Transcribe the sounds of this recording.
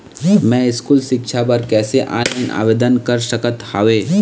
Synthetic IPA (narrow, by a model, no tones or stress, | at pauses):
mɛ̃iskuːlɕikʂʰabəɾkɛseʔa̰niʔa̰ʋed̪ənkəɾɕəkət̪haʋe